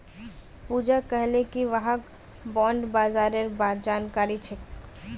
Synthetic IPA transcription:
puːd͡ʒakɛɦlẽkiʋaɦək | bɔ̃ːɳɖbaːzaːɾeɾbaːd͡ʒaːnkaːɾit͡ʃʰe

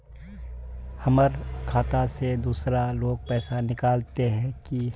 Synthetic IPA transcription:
hɐməɾkʰaːt̪ased̪uːsɾaloːɡ̚pɛːsanɪkaːlt̪eɦɛ̃ki

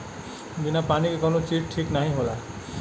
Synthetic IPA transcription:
binapanikekʌnot͡ʃiʈʈʰiknaɦĩɦola

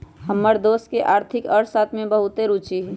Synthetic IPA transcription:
ɦəmːəɾd̪oːskeʔaːɾt̪ʰɪkəɾsaːt̪ʰmẽbəɦʊt̪eɾut͡ʃiɦ

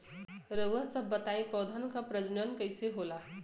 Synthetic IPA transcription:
ɾəasəbːət̪aipɔːd̪ʱənkapɾəd͡ʒnənkəɪseɦola

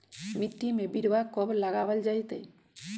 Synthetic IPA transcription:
miʈːimẽbiɾʋakɔbləɡaʋəld͡ʒajt̪e

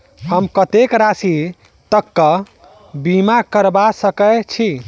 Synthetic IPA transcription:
həmkət̪ekɾasi | t̪əkːə | bimakəɾbasəkət͡ʃʰi

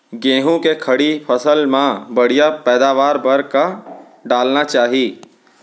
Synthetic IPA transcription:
ɡẽːɦõkekʰɐɽipʰɐsəlmãbɐɽ̤ijapɛːd̪aːʋaːɾbɐɾka | ɖaːlnat͡ʃaːɦiː

